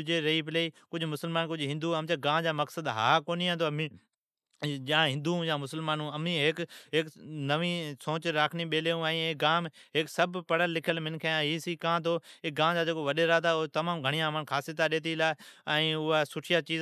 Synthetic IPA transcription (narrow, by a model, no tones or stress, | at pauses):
d͡ʑeːɾɐip̬ɪleiːkʊd͡ʑʱʊmʊsəlmaːnkʊd͡ʑʱɦɪ̃nd̪uɐmt͡ɕeɡãːd͡ʑaːmɐksəd̪ɦaːkoːniãːt̪ʰoɐmĩː | ʄãːɦɪ̃nd̪ũjãːmʊsəlmaːnũɐmĩɦɪkɦɪknɐʋĩsõːt͡ɕɾaːkʰniɓeːleũɛ̃ĩeːɡaːm | ɦɪksɐbʱpɐɽ̤əlːɪkʰəlmɪ̃nkʰeãɦiːsiːkãːt̪ʰoːɪɡãːd͡ʑaːd͡ʑeːkoʋɐɗeɾaːd̪aot̪ɐmaːmɡʱɐɽ̃ijãmənkʰaːsit̪ʰaɗeːt̪̬ilaːɛ̃ːʊɦasʊʈʰijat͡ɕiː